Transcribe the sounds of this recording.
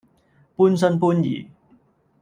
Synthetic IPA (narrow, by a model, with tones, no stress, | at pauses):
puː˥ns̬ɐ˥npuː˥njḭː˨˩